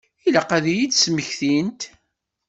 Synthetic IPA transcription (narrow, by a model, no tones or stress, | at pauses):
ilæqæðijid̪sməçθint̪